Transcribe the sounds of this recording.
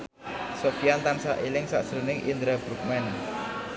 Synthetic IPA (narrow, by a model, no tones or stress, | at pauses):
sofiant̪ansa̰ʔelɪŋsa̰ʔd̥ʒ̥ɾonɪŋʔḭnd̪ɾabɾuk̚mɛn